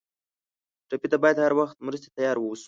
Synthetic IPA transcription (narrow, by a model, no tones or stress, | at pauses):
ʈapit̪abɑjad̪haɾwaxt̪̚mɾəs̬t̪e̥t̪ajɑɾwəwsu̥